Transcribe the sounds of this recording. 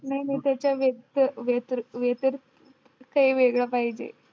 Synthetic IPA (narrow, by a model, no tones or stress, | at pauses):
nainət̪jat͡ɕjaʋet̪ʋet̪ɾʋjet̪əɾ | kaiːʋeɡɭəpaɦid͡ʑḛ